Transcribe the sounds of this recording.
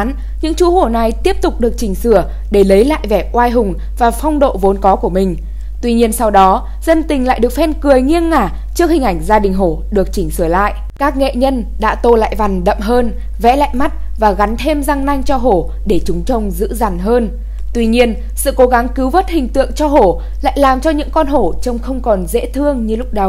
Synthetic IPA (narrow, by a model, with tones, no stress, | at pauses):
n | ɲɨ̰˧˥ŋt͡ɕu˨˦ho˧˩na˨˩jt̪i˦˥əp̚t̪ʊ˨˩k͡p̚ɗɨ˨˩ək̚t͡ɕï˧˩ŋ̟sɨ˧˩ə | ɗe˧˩lə˨˦jla̰ː˧˨jvɛ˧˩ʔwaː˧jɦʊ˨˩ŋ͡m | vaː˨˩fɔ˧wŋ͡mɗo̰˧˨vo˨˦nkɔ˨˦ku˧˩əmï˨˩ŋ̟ | t̪wi˧ɲi˧ənsa˧wɗɔ˨˦ | z̥ə˧nt̪ï˨˩ŋ̟la̰ː˧˨jɗɨ˨˩ək̚fɛ˧nkɨ˨˩əjŋi˧ənːaː˧˩ | t͡ɕɨ˦˥ək̚hi˨˩ŋ̟ʔa˧˩jŋ̟zaː˧ɗï˨˩ŋ̟ɦo˧˩ɗɨ˨˩ək̚t͡ɕï˧˩ŋ̟sɨ˧˩əla̰ː˧˨jʔ | kaː˦˥k̚ŋḛ˧˨ɲə˧n | ɗa̰ː˧˥t̪o˧la̰ː˧˨jva˨˩n̟ɗə̰˧˨mɦəː˧n | vɛ̰˧˥la̰ː˧˨jma˦˥t̚ | vaː˨˩ɣa˨˦nt̪ʰe˧mza˧ŋna˧jŋ̟t͡ɕɔ˧ɦo˧˩ | ɗe˧˩t͡ɕʊ˨˦ŋ͡mt͡ɕə˧wŋ͡mzɨ̰˧˥za˨˩nɦəː˧n | t̪wi˧ɲi˧ən | sɨ̰˧˨ko˨˦ɣa˨˦ŋkɨ˨˦wvə˦˥t̚hï˨˩ŋ̟t̪ɨ̰˧˨əŋt͡ɕɔ˧ɦo˧˩ | la̰ː˧˨jlaː˨˩mt͡ɕɔ˧ɲɨ̰˧˥ŋkɔ˧nɦo˧˩t͡ɕə˧wŋ͡mxə˧wŋ͡mkɔ˨˩nzḛ˧˥t̪ʰɨ˧əŋɲɨ˧lʊ˦˥k͡p̚ɗə˨˩w